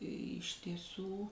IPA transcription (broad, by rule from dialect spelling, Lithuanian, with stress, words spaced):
ɪʃ tʲiɛˈsuː